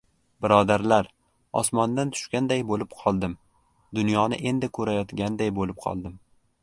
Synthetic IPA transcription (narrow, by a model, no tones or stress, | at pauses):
bɪɾɒd̪aɾlaɾ | ɒ̰smɒnd̪ant̪ʰʊ̥ʃkʲand̪ajbolɪpqʰɒlˠd̪ɪm | d̪ʊnjɒnɪ̰ʔe̞nd̪ɪkʰɵɾajɒt̪ɡʲand̪ajbolɪp̚qʰɒ̰lˠd̪ɪm